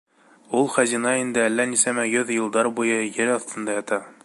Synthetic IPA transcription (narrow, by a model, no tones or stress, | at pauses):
ulˠχæzinɑind̪ɘælːænisæmæɡɘðjɤ̆lˠd̪ɑɾbujɤjɘɾɑθt̪ɤ̆nd̪ɑjɑt̪ɑ